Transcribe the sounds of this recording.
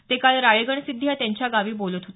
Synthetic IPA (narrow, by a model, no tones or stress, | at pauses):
t̪ekalɾajəɡəɳsid̪ʱːjat̪jãɲt͡ɕjaɡaʋiːbolət̪ɦot̪